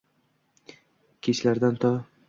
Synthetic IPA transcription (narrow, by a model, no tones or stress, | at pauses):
kʲʰet͡ʃlaɾd̪ant̪ʰɒ